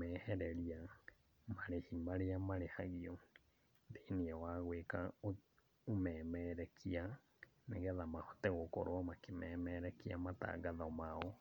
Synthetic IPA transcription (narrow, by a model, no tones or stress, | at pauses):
mɛːhɛɾɛɾia | maɾehimaɾeamaɾehaɣiɔ | ndeiniɛwaɣweka | omɛːmɛɾɛkʰia | neɣɛðamahɔ̥tɛɣoko̰ɾoamakemɛmɛːɾɛkia̰mata̰ːɡaðɔmaɔ